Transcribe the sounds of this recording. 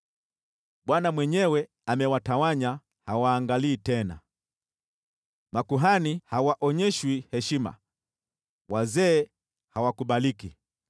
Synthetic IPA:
ɓwanamwɛɲɛwɛ | amɛwatawaɲa | hawaːŋɡaliːtɛna̰ | makuɦanihawaʔɔɲɛʃwihɛʃima̰ | wazɛː | hawakuɓaliki

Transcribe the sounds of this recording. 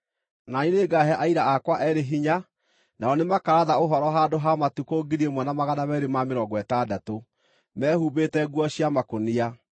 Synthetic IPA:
naneneɡaɦɛʔaiɾaakwaʔɛɾeɦiɲa | naɔnemakaɾaðaoɦɔɾɔɦadoɦamatukoːɡiɾiemwɛnamaɣanamɛɾemameɾɔɡwɛtadato | mɛːhuːbetɛɡwɔɕiamakonia

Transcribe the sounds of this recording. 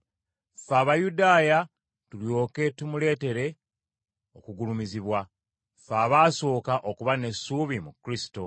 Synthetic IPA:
faːβajudaːja | tuljo̞ːke̞tumule̞ːte̞ɾe̞ | o̞kuɡulumiziβwa | faːβaːso̞ːkaʔokuβane̞sːuːβimukɾisi̥to̞

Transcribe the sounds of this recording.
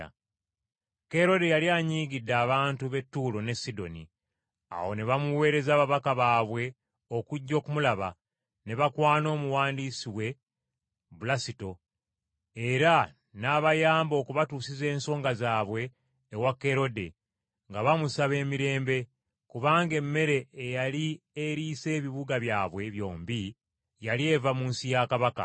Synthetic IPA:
ke̞ɾo̞de̞jaljaːɲiːɡidːaːβaːntuβe̞tːuːlo̞ne̞sido̞̰nḭ | a̰wo̞̰ne̞βamuwe̞ːɾe̞zaːβaβakaβaːβwe̞ | o̞kuɟːo̞ːkumulaβa | ne̞βakwaːno̞ːmuwaːndisiwe̞ | bulasito̞ | eɾa | naːβajaːmbo̞ːkuβatuːsize̞ːnso̞ːŋɡazaːβwe̞ː | wakːe̞ɾo̞de̞̰ | ŋɡaβamusaβe̞ːmiɾe̞ːmbe̞ | kuβaːŋɡe̞mːe̞ɾe̞ːjalie̞ɾiːse̞ːβiβuɡaβjaːβwe̞βjo̞̰ːmbi | jalie̞vamuːnsijakaβaka̰

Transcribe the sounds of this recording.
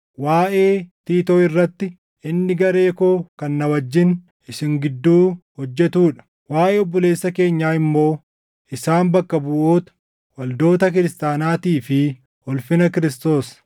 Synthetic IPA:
waːʔe̞ːt̪iːt̪oːɪrːɐt̪ːɪ | ɪnːɪɡɐɾe̞ːko̞ːkɐnːɐwɐd͡ʒːɪn | ɪsɪŋɡɪd̪ːuːhɔd͡ʒːɛt̪uːᶑɐ̥ | waːʔeɔbːɔle̞ːsːɐke̞ːɲːaːɪmːo̞ː | ɪsaːnbɐkːɐbʊʔoːt̪ɐ̥ | wɐld̪o̞ːt̪ɐk̬ɪɾɪst̪aːnaːt̪iːfɪ | ɔlfɪnɐkɪɾɪst̪o̞ːs

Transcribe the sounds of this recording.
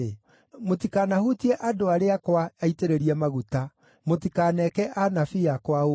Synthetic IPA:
e | motikanahutiɛʔadoaɾeakwaaiteɾeɾiɛmaɣuta | motikanɛkɛʔanafiakwao

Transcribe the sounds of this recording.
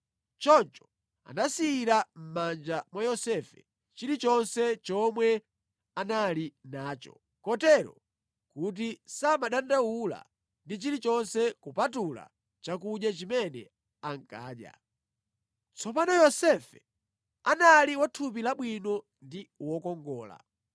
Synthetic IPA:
t͡ʃɔnt͡ʃɔ̥ | a̰nasiːɾam̩mand͡ʒamwajɔsɛfɛ̰ | t͡ʃiɾit͡ʃɔnsɛt͡ʃɔmwɛ | analinaːt͡ʃɔ̰ | kɔtɛɾɔ̰ | kut̬isamaɗandawula̰ | ndit͡ʃilit͡ʃɔnsɛkupatula̰ | t͡ʃakuɗjat͡ʃimɛnɛ̰ | aŋ̩ka̰ːɗja̰ | t͡sʰɔpanɔjɔsɛfɛ | analiwatʰup̬ilaɓwinɔ | ndiwɔkɔŋɡɔːla̰

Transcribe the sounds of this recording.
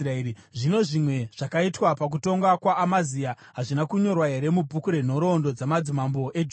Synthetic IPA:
raei | ʐino̞ʐimwe̞ʐ̥akaitwapak̬uto̞ŋɡakwaːmazia | ɦaʐinakuɲo̞rwaɦe̞ɾe̞mubʱukuɾe̞n̤o̞ɾo̞ndo̞d͡zamad͡zimambo̞ʔe̞d͡ʒ

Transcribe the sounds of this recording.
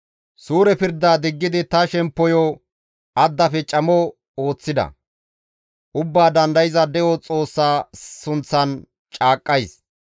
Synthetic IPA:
suːɾɛpɪɾd̪ːaːd̪ɪɡːɪd̪ɪt̪ɐʃɛmpːɔjɔ | ʔɐd̪ːɐfɛt͡ʃʼɐmɔ | o̞ːt͡sːɪd̪ɐ̰ | ʔʊbːaːd̪ɐnd̪ɐjɪzɐd̪ɛjɔt͡sʼo̞ːsːaːsʊnt͡sːɐn | t͡ʃʼaːkʼːɐjs

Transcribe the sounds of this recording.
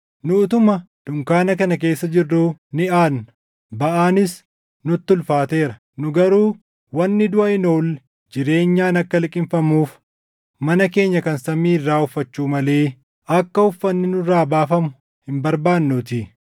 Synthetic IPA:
nʊt̪ʊmɐ | d̪̥ʊŋkaːnɐkɐnɐk̬e̞ːsːɐd͡ʒɪrːuːnɪʔaːn | bɐʔaːnɪs | nʊt̪ːʊlfaːt̪e̞ːɾɐ | nʊɡɐɾuː | wɐnːɪd̪ʊʔɐɪno̞ːlːɛ | d͡ʒɪɾe̞ːɲːaːnɐkːɐlɪkʼɪmfɐmuːf | mɐnɐke̞ːɲːɐkɐnsɐmiːɪrːaːʊfːɐt͡ʃːuːmɐle̞ː | ɐkːɐʊfːɐnːɪnʊraːbaːfɐmʊ | hɪmbɐɾbaːnːuːt̪ɪ

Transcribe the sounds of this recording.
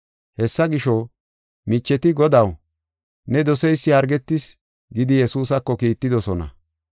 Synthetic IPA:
hɛsːɐɡɪʃɔ | mɪt͡ʃːɛt̪ɪɡɔd̪ɐw | nɛd̪ɔsɛjsːɪɐɾɡɛt̪ːɪs | ɡɪd̪ɪjɛsuːs̬ɐkːɔkiːt̪ːɪd̪ɔsɔnɐ̰

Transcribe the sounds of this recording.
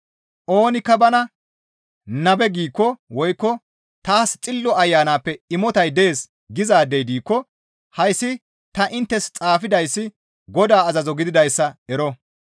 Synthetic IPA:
ʔo̞ːnɪkːɐbɐnɐ | nɐbɛɡiːkːɔwɔjkːɔ | t̪aːst͡sʼɪlːɔɐjːaːnaːpːɛɪmɔt̪ɐjd̪eeːs | ɡɪzaːd̪ɛjd̪iːkːɔ | hɐjsːɪ | t̪ɐʔɪnt̪ːɛst͡sʼaːfɪd̪ɐjsːɪ | ɡɔd̪aːɐzɐzɔɡɪd̪ɪd̪ɐjsːɐɛɾɔ

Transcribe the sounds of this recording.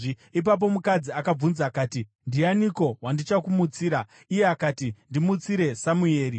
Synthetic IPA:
ip̬ap̬o̞mukad͡ziakab͡vunzaːkaːti | ndianiko̞ɦwandit͡ʃakumut͡siːɾa | ije̞akaːtindimut͡siɾe̞samue̞ːɾi

